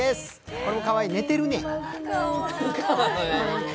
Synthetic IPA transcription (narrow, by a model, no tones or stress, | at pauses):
esɨ̥ | ko̞ɾe̞mo̞kaβaine̞t̪e̞ɾɯ̟ne | t̪kakoɾe